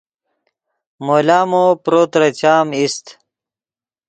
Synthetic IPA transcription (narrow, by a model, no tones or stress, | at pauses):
moːlaːmopɾoːt̪ɾɐt͡ɕaːmist̪